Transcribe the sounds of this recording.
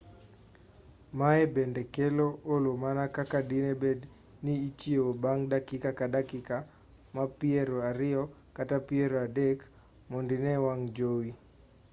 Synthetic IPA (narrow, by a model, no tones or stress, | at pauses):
maɛbɛndɛkɛloolomanakakadinɛbɛd | niːt͡ʃieobaŋdakikakadakika | mapiɛɾoaɾɪɔ | katapieɾoadɛk | mondinɛwaŋd͡ʒowi